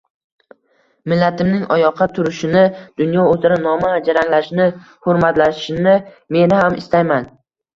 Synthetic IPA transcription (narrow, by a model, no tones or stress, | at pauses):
mɪlːat̪ʰɪmnɪŋɒjɒqʰːɑt̪ʰʊɾɪʃɪnɪd̪̥ʊnjɒɵzɪɾanɒmaːd͡ʒaɾaŋlaʃnɪ | hʊɾmat̪lḁʃɪnɪ | me̞nɪhamɪ̰st̪ajman